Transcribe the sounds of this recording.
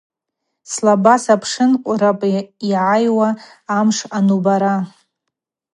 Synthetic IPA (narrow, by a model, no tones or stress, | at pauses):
slabasapʰʂɨnqʷʼʊrapʼiʕajwaː | mʂanubaɾa